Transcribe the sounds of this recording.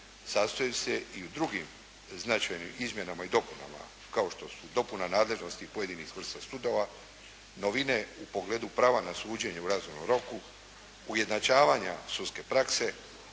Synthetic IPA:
sast̪ojuseiud̪ɾuɡim | znat͡ʃajnimizmje̞namaid̪o̞puna̰ma̰ | kao̞ʃt̪o̞sud̪o̞punanaːd̪le̞ʒno̞st̪ipoje̞d̪inisvr̩st̪asud̪o̞ʋa | noʋine̞upo̞ɡle̞ːd̪upɾaːʋanasuːd͡ʑe̞ɲeuɾazumnomɾo̞ku | uje̞d̪nat͡ʃaːʋaːɲa̰sut̪ske̞pɾakse̞

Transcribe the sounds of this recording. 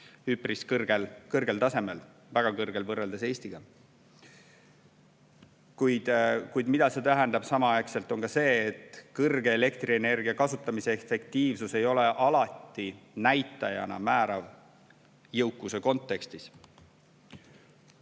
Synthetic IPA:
hypriskɤrɡ̥elkɤrɡe̞lt̪ɑse̞me̞l | væɡ̥ɑkɤrɡ̥e̞lvɤrːeld̪ese̞ːst̪iɡ̥ɑ | kujd̪̥kujd̪mid̪̥ɑse̞t̪æɦænd̪ɑb̥sɑmɑɑjkse̞lt̪ːˑo̞nkɑse̞ːt̪ˑkɤrɡe̞ːle̞kt̪ɾiene̞rɡiɑkɑsut̪ˑːɑmise̞efe̞kt̪iːvsuse̞jo̞le̞ʔɑlɑt̪ːinæjt̪ˑːɑjɑ̰nɑ̰mæːɾɑv | jɤwkːˑuse̞ko̞nt̪ːˑe̞kst̪is

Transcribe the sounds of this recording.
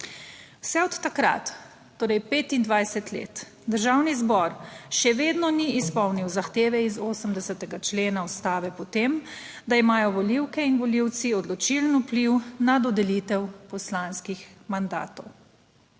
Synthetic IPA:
wsɛɔt̪ːakɾa̰t̪ː | oːɾɛjpeːt̪ind̪ʋajsɛt̪lḛːt̪ | d̪əɾʒawnizbɔɾʃɛʋeːd̪nɔniːspɔwniwzaxt̪eːʋɛizoːsəmd̪ɛsɛt̪ɛɡat͡ʃleːnaɔst̪aːʋɛpɔt̪em | d̪aimaːjɔʋɔliwkɛinʋɔliw̪siɔd̪lɔt͡ʃilnupliwnad̪ɔd̪ɛlit̪ɛwpɔslanskixmand̪a̰ːt̪ɔw

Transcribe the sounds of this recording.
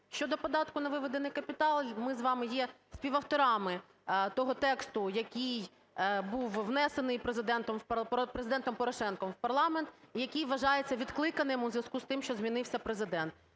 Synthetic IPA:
ʃt͡ʃɔd̪ɔpɔd̪ɑt̪kʊnɐʋɪʋed̪enɪjkɐpʲit̪ɑlˠmɪzʋɑmɪjɛ | sʲpʲiʋɐwt̪ɔɾɑmɪ | t̪ɔɦɔt̪ɛkst̪ʊjɐkʲij | buwʋnɛsenɪjpɾezɪd̪ɛnt̪ɔmpɾezɪd̪ɛnt̪ɔmpɔɾɔʃɛnkɔmwpɐrlˠɑment̪ijɐkʲijʋɐʒɑjet͡sʲːɐʋʲid̪klˠɪkɐnɪmʊzʲʋʲɐskust̪ɪmʃt͡ʃɔzʲmʲinɪwsʲɐpɾezɪd̪ɛnt̪̚

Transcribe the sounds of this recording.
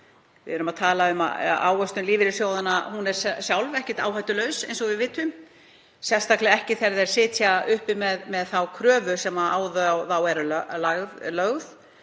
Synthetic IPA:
vɪ̰ʏɾʏmaðt̪ʰaːlaʏma̰a̰ːwœst̪ʏmliːvɪɾɪ̥sjoːwðanahunɛɾ̥ssjawlvɛhcɪ̥t̪a̰ːwɦaɥt̪ʏlœɥsḛjnsɔɣvɪðvɪːt̪ːʏm | sjɛ̥st̪aklɛɣɛhcɪθɛɾðɛɾ̥sɪːt̪ʰjaʏhpɪmɛðmɛðθawkʰɾœːvʏsɛmaaːwðθawɛɾlaɣðlœɣð

